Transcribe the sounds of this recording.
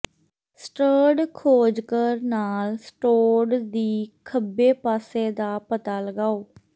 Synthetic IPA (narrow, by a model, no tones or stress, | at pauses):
sʈəːɖkʰoːd͡ʒkəɾnaːlsʈoːɾɖd̪iːkʰəbːeːpaːseːd̪aːpət̪aːləɡaːoː